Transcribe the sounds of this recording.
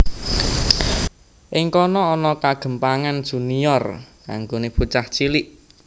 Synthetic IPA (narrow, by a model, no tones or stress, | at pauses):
ʔɪŋkɔnɔːnɔkaɡ̥ə̤mpaŋand̥ʒ̥ṳnijɔrka̰ŋɡoneput͡ʃaht͡ʃiliʔ